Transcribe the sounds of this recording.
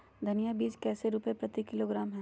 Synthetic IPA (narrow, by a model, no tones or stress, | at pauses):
d̪ʱɐnijabiːt͡ʃkɛːseɾuːpepɾɐt̪ikɪloːɡɾaːmɦɛ̃ː